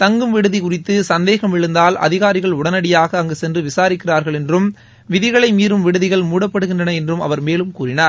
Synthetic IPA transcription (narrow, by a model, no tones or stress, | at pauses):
t̪ɐŋɡɯmʋɪɽɯðɪkʊrɪt̪ːɯsɐnd̪eːɣɐmɪɻɯnd̪aːlɐ̰ðɪɣaːɾɪɣɐɭʊɽɐnɐɽɪjaːɣɐːŋɡesɛndrɯʋɪsaːɾɪkːɪraːɾɣɐɭɛndrɯm | ʋɪðɪɣɐɭɐɪmiːɾɯmʋɪɽɯðɪɣɐɭmuːɽɐpːɐɽɯɣɪndrɐnɐɛndrɯmɐ̰ʋɐɾmeːlɯmkuːrɪnaːɾ